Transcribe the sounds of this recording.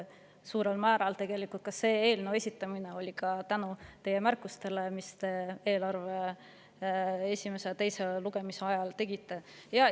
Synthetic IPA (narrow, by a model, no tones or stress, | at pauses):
suːɾe̞lmæːɾɑlt̪e̞ɡ̥e̞likult̪̚kɑsːeːeːlnue̞sʲit̪ːˑɑmine̞o̞lʲikɑt̪ænut̪e̞je̞mærkːˑust̪e̞le̞mist̪e̞e̞ːlɑrve̞ | esʲime̞set̪e̞jse̞luɡ̥e̞miseɑjɑlt̪e̞ɡ̥it̪ːˑe̞jɑ